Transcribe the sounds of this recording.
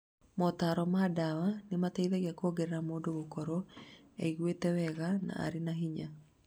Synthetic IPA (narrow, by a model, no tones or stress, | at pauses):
mɔt̪aɾɔmadawanɪmat̪aiðaɡjakwoɡeɾeɾamodoɡokɔɾo | ḛɣwet̪ɛwɛɣana̰a̰ɾɪnaɦiɲa